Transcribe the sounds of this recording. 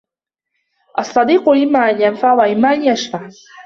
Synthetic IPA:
ʔɑsˤːɑd̪iːqʊlɪmːaːʔanjanfaʕwaʔɪmːaːʔanjaʃfaʕ

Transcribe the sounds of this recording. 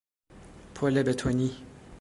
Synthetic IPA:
pʰolɛbɛt̪ʰoni

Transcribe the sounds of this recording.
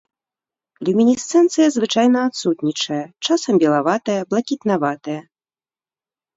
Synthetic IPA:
lʲumʲinʲist̪sɛnt̪sɨjɐzvɨt͡ʂajnɐːt̪sut̪nʲit͡ʂɐjɐt͡ʂasɐmbʲɛlˠavat̪ɐjɐblˠɐkʲit̪navat̪ɐjɐ

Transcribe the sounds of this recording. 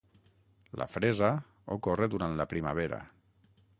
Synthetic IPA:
lʔa̰fɾeza | okoreðuɾant̪lapɾimaβ̞eɾa̰

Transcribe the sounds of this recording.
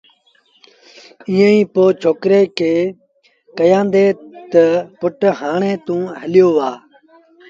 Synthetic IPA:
ĩːẽĩːpoːt͡ʃʰoːkɾeːkʰeː | kəjãːnd̪eːt̪əpʊʈɦaːɳẽːt̪ũːɦəlɪjoːʋaː

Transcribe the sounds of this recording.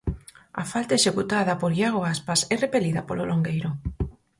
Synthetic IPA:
ɐ̰falt̪aeʃekut̪aðɐpoɾɣjaɣoaspasɛrepeliðɐpololoŋɡejɾo

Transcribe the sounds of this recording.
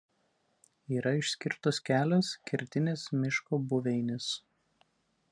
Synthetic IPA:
iːɾɐɪʃʲsʲkʲɪɾt̪oːskʲæːlʲɛskʲɪɾʲt̪ʲɪnʲeːsmʲɪʃkoːbʊʋʲɛɪnʲɪs

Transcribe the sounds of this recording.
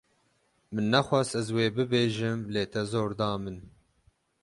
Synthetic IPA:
mɨnːɛxʷɑːsɛzweːbɨbeːʒɨmleːt̪ʰɛzoːɾd̪ɑːmɨn

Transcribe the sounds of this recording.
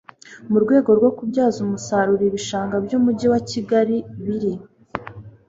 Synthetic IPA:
muɾɡwe̞ːɡo̞ɾɡwokubɟaːzumusaɾuɾiβiʃaːŋɡabjuːmuɟiwaciɡaɾiβiɾi

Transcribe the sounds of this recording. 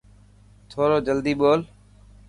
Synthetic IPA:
t̪ʰoːɾoːd͡ʒəld̪iːɓoːl

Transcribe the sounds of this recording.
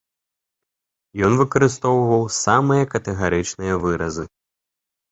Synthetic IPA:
jɔnvɨkɐɾɨst̪ɔwvɐwsamɨjɐkɐt̪ɛɣaɾɨt͡ʂnɨjɐvɨɾɐ̰zɨ

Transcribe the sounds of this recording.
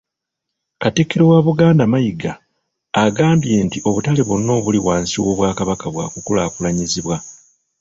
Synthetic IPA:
katikːiɾowaːβuɡaːndamajiɡaː | ɡaːmbje̞ntiʔo̞βutale̞βonːo̞ːβuliwaːnsiwo̞ːβwaːkaβakaβwa̰ːkukulaːkulaɲiziβwa

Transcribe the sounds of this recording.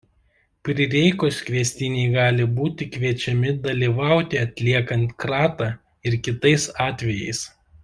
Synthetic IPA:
pʲɾʲɪɾʲɛɪkoskʋʲiɛsʲt̪ʲɪnʲɛɪɡɑːlʲɪbuːt̪ʲɪkʋʲiɛt͡ʃʲɛmʲɪd̪ɐlʲiːʋɑˑʊt̪ʲɪɐt̪ʲlʲiɛkɐnt̪kɾɑːt̪ɑː | ɪɾkʲɪt̪ɐɪsɑːt̪ʲʋʲɛjɛ̰ɪs

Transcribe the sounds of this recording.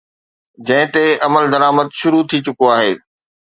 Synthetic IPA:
d͡ʑɐ̃ɦɪ̃t̪eʔɐməld̪ɐɾaːməd̪ʃʊɾut̪ʰit͡ɕʊkoaːɦeː

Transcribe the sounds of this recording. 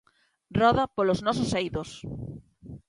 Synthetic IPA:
rɔðɐpoloznɔs̬osejðos

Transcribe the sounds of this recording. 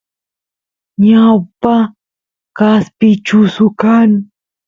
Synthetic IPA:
ɲawpa | kaspɪt͡ʃʊsʊkaŋ

